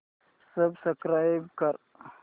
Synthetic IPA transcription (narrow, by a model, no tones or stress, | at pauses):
sɐbsɐkɾaːjbkɐɾ